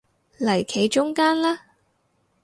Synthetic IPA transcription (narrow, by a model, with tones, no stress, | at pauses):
lɐ˨˩jkʰe˨˧jt͡ʃʊ˥ŋkaː˥nlaː˥